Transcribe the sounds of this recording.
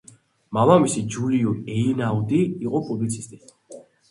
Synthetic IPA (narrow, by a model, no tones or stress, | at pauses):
mamamisid͡ʒuliuɛinawd̪iːqʼɔpʰʼublit̪sʰi̥st̪ʼi